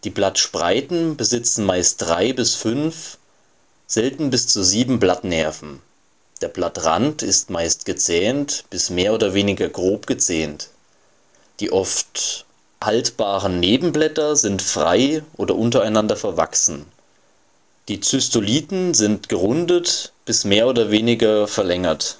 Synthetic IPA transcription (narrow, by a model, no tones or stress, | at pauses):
d̥iːblatʃpʁ̥a̰ɪtn̩bəzɪt͡sn̩maɪst̚d̥ʁaɪbɪsfʏnf | z̥ɛltn̩bɪst͡suːziːbm̩blatnɛɐfn̩ | d̥eːɐblatʁa̰ntɪstmaɪst̚ɡ̥ət͡sɛːntb̥ɪsmeːɐoːdɐveːnɪɡɐɡʁoːpɡ̥ət͡sɛːnt | d̥iːʔɔft | haltb̥aːʁənneːbm̩blɛtɐzɪntfʁ̥a̰ɪʔoːdɐʔʊntɐaɪnandɐfɛɐva̰ksn̩ | d̥iːt͡sʏstoliːtn̩zɪntɡ̥əʁʊndətb̥ɪsmeːɐoːdɐveːnɪɡɐfɛɐlɛŋɐt